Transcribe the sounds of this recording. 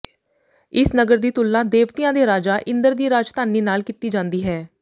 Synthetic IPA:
ɪsnəɡəɾd̪iːt̪ʊlːãːd̪eːʋt̪ijãːd̪eːɾaːd͡ʒaːʔɪ̃nd̪əɾd̪iːɾaːd͡ʒt̪aːniːnaːlkiːt̪iːd͡ʒãːnd̪iːɦɛː

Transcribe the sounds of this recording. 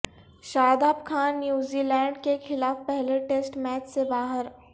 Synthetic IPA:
ʃaːd̪aːbkʰaːnːjuːziːlɛ̃ːɳɖkexɪlaːfpɛɦleʈeːsʈmɛːt͡ʃsebaːɦəɾ

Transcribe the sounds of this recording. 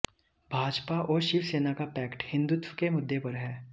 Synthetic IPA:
bʱaːd͡ʒpaʔɔːɾʃɪʋseːnakapɛːkʈhɪ̃nd̪ʊt̪wəkemʊd̪ʱːepɐɾɦɛː

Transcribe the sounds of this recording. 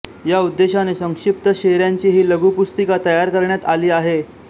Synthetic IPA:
jaud̪ːeɕanesəŋkʂip̚t̪əɕeɾjaɲt͡ɕiːɦiːləɡupust̪ikat̪əjaɾkəɾɳjat̪aliːaɦe

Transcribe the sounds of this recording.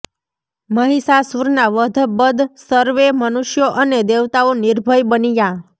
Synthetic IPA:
məɦisasuɾnaʋəd̪ʱbəd̪ʱsəɾʋemənuʃjoʔəned̪eʋt̪aoniɾbʱəjbənija

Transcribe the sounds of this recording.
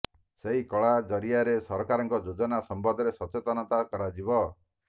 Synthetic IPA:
seɦikɔɭad͡ʒɔɾiaɾesɔɾɔkaɾɔŋkɔd͡ʒod͡ʒɔnasɔmbɔd̪ʱɔɾesɔt͡ʃet̪ɔnɔt̪akɔɾad͡ʒibɔ

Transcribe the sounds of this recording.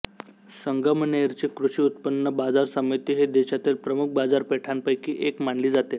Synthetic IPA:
səŋɡʱəməneɾt͡ɕekɾuɕiːut̪̚pənːəbad͡zaɾsəməjt̪iːɦed̪eɕat̪iːlpɾəmuk̚bad͡zaɾpeʈʰanpəjkiːʔekmaɳliːd͡zat̪e

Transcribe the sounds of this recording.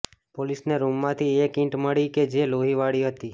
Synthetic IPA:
polisneɾumːãt̪ʰiekɪ̃ʈməɭiked͡ʒeloɦiʋaɽiɦət̪i

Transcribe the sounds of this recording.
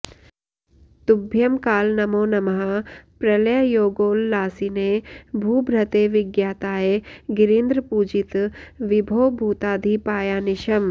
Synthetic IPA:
t̪ubʱjɐmkaːlnɐmoːnɐmɐɦapɾɐlɐjɐjoːɡoːlːaːsinebʱuːbʱɾɐt̪eːʋɪɡjaːt̪aːeɡɪɾiːnd̪ɾəpuːd͡ʒit̪ʋibʱoːbʱuːt̪aːd̪ʱipaːjaːnɪʃɐm

